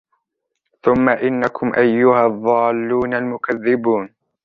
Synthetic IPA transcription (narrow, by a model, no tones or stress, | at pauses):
θʊmːaʔɪnːakʰʊmʔajːʊhaðˤːɑːlːuːnalmʊkaðːɪbuːn